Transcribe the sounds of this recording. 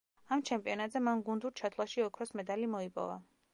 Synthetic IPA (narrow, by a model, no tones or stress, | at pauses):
amt͡ʃʰɛmpʼiɔnat̪ʼzɛmanɡund̪uɾt͡ʃʰat̪ʰlˠaʃiɔkʰɾɔsmɛd̪alimɔipʼɔ̰va̰